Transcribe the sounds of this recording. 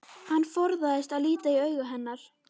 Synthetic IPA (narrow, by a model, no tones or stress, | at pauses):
hanːfɔɾðaðɪst̪aðliːt̪aiœːɥɣʏɦɛnːaɾ̥